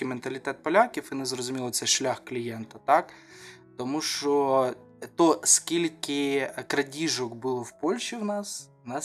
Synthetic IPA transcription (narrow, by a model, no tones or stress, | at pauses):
ɪment̪ɐlʲit̪ɛt̪̚pɐlʲakʲifɪnɛzɾɔzʊmʲilˠɔt̪sɛʃlʲaxklʲijɛnt̪ɐt̪ɑk | t̪ɔmuʃt͡ʃɔ | t̪ɔskʲilʲkɪkɾɐdʲiʒɔkbʊlˠɔwpɔlʲʃiwnɑswnɑ